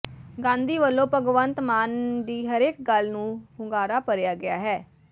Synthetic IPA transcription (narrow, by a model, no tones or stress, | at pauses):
ɡãːnd̪iːʋəlːõːpəɡʋənt̪maːnd̪iːɦəɾeːk̚ɡəlnũːhʊŋɡaːɾaːpəɾɪjaːɡɪa̰ːɦɛː